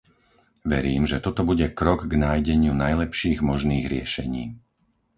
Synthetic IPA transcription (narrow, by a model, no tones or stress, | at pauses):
ʋɛɾiːmʒɛt̪ɔt̪ɔbuɟɛkɾɔɡɡnaːjɟɛɲɪunajlɛpʃiːɣmɔʒniːɣɾɪɛʃɛɲiː